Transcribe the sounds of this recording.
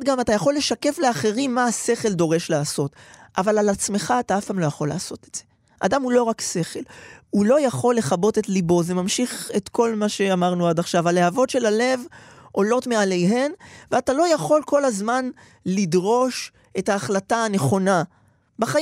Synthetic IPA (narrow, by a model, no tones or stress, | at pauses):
dɡamatajaχo̞lːe̞ʃake̞fleaχe̞ʁimːaaseχe̞ldo̞ʁe̞ʃleaso̞tʔavalalat͡sme̞χaːtaafpaːmlo̞jaχo̞la̰ːso̞tetz̥e̞ | ʔadamulo̞ʁakse̞χe̞lulo̞jaχo̞lːe̞χabo̞tetlibo̞zemamʃiχe̞tko̞lmaʃe̞amaʁnuadaχʃavalehavo̞tʃe̞lale̞vʔo̞lo̞tmeale̞jɦe̞nveatalo̞jaχo̞lko̞lazman | lidʁo̞ʃ | e̞taːχlataːne̞χo̞na | baχaj